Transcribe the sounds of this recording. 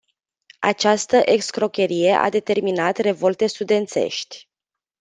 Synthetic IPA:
a̰t͡ʃast̪əʔe̞kskɾo̞kʲe̞ɾije̞ʔa̰d̪e̞t̪e̞rminat̪re̞vo̞lt̪e̞st̪ud̪e̞nt̪se̞̰ʃt̪ʲ

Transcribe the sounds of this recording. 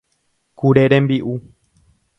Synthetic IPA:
kuɾeɾẽmbiʔu

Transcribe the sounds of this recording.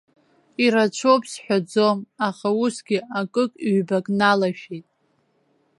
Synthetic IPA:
iɾat͡ʃʷʰopʰʼsħʷᶣad͡zo̞maχausɡʲiakʼɨkʼʕbakʼnalaʃᶣetʼ

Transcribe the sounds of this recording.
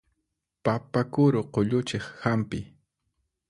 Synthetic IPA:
papakʊɾoqoʎʊt͡ʃeχhampɪ

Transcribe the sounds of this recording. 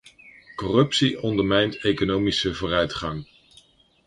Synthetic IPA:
kɔrɵpsiɔndəɹmɛjntejkonowmisəvoːrœɥtχɑŋ

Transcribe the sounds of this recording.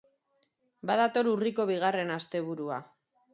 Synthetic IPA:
bað̞at̪o̞ɾuriko̞βiɣ̞are̞nast̪e̞β̞uɾua

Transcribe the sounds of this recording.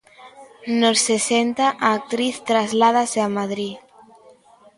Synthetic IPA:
nossesent̪aʔaːk̚t̪ɾiθt̪ɾazlað̞aseamaðɾi

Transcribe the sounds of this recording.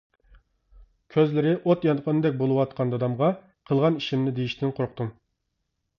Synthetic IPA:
kʲʰøzlɪɾɪʔot̪jɑnqʰənɨd̪ɛk̚ʲbolˠɨwɑt̪̚qʰɑnd̪ɑd̪ɑmʁɑ | qʰəlˠʁɑniʃimnɪd̪ejiʃt̪ɪnqʰoɾqt̪um

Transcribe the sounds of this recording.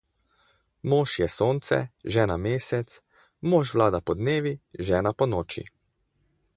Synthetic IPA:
moːʃjɛsoːnt̪sɛ̰ʒɛːnameːsɛt̪s | moːʃʋlaːd̪apɔd̪neːʋiʒɛːnapɔnɔːt͡ʃḭ

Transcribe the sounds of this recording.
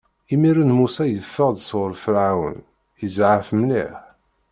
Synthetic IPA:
imiɾənmusæjəfːəʁd̪sʊɾfəɾʕawə̰n | əzʕəfmnḭħ

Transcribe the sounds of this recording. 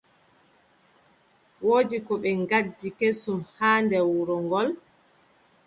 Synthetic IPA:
woːdikɔɓɛŋɡadːikesumhaːndɛwuɾɔŋɡɔl

